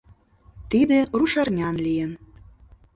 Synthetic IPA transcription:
t̪id̪ĕruʃɑrnʲɑnlʲijen

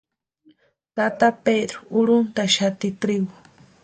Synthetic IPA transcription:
t̪at̪aped̪ɾoʊɾʊnt̪aʃat̪ɪt̪ɾɪɡʊ

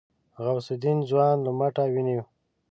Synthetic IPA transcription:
ɣawsɪd̪inzwɑːnlamaʈawini

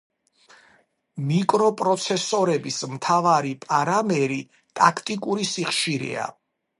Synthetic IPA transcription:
mikʼɾɔpʼɾɔt̪sʰɛsɔɾɛbismt̪ʰavaɾipʼaɾamɛɾi | t̪ʼakʰt̪ʼikʼuɾisiχʃiɾɛ̰a̰

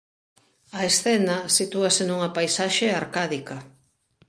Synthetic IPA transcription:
ɐesθɛnɐsit̪uɐsenuŋɐpajsaʃeaɾkaðikɐ

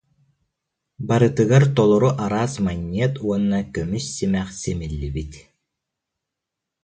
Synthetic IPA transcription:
baɾɯt̪ɯɣaɾt̪ɔlˠɔɾuʔaɾaːsmaɲːiɛt̪uɔnːakœmysːimɛχsɛmilːibit̪

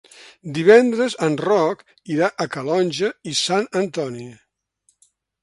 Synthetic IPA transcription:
d̪iβɛnd̪ɾəzənrɔk | iɾaʔəkəlɔnʲʒəisanənt̪ɔni

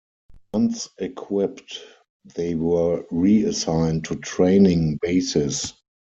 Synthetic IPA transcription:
wãnθɛkʰwɪpt | ðeɪwɜ˞ɹiəsãɪ̃ntʰːutʰɹẽɪnɪ̃ŋbeɪsɪs

